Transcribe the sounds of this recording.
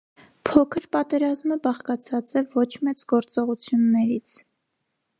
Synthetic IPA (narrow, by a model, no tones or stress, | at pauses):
pʰɔkʰəɾpɑt̪ɛɾɑzməbɑχkɑt͡sʰɑt͡sɛvɔt͡ʃʰmɛt͡sɡɔɾt͡sɔʁut͡sʰjunːɛɾit͡sʰ